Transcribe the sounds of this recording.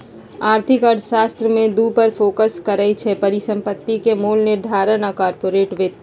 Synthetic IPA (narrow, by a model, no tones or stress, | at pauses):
aːɾt̪ʰɪkəɾd̪ʃaːst̪ɾəmẽd̪upəɾpʰoːkəskəɾəjt͡ʃʰɛpɐɾɪsə̃mpət̪ːikemoːlnɪɾd̪ʱaːɾənakaːɾpoːɾeːʈʋet̪ː